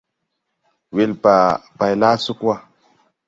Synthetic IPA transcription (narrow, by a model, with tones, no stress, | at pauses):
we˨lpa˨pa˨jla˦su˦kwa˦